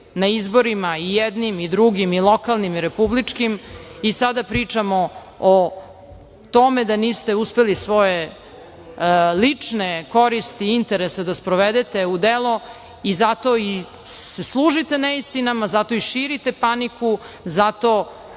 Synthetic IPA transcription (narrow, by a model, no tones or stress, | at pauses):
naizbo̞ɾimaijɛd̪nimid̪ɾuɡimilˠokalˠnimiɾepublit͡ʂkimisad̪apɾiːt͡ʂamo | o | t̪o̞med̪aniːst̪e̞uspelisʋo̞je | lit͡ʂneko̞ɾist̪iint̪eɾesed̪aspɾoʋed̪et̪e̞ud̪elˠo̞ | izat̪o̞i | seslˠuːʒit̪enaist̪inamazat̪o̞iʃiɾit̪e̞panikʰu | zat̪o̞